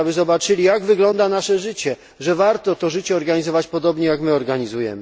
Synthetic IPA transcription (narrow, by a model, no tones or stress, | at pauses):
abɘzɔbat͡ʂɘlʲijaɡvɘɡlɔnd̪anaʂɛʐɘt͡ɕɛ | ʐɛvaɾt̪ɔt̪ɔʐɘt͡ɕɛɔɾɡaɲizɔvat͡ɕpɔd̪ɔbɲɛjakmɘɔɾɡaɲizujɛ̰mɘ